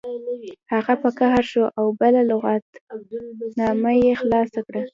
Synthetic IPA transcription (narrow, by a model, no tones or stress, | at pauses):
haɣapəkaɦaɾʃoʔawbəlalʊɣɑt̪ | nɑmajexlɑsakɽa